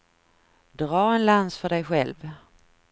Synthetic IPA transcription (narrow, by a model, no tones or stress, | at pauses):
d̪ɾɑːɛnlansfœɖɛjɧɛlv